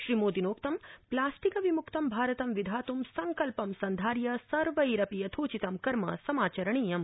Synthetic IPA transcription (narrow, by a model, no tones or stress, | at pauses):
ʃɾimoːd̪inoːkt̪ɐmplaːsʈikɐʋimukt̪ɐmbʱaːɾɐt̪ɐmʋid̪ʱaːt̪umsɐŋkɐlpɐmsɐnd̪ʱaːɾjɐsɐɾʋɐiɾɐpijɐt̪ʰoːt͡ʃit̪ɐmkɐɾmɐ̰sɐmaːt͡ʃɐɾɐɳ̃iːjɐm